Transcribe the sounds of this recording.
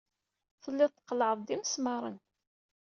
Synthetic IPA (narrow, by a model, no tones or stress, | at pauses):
θəlːɪðt̪ːə̥qːləʕəðˤd̪iməsmɑɾˤən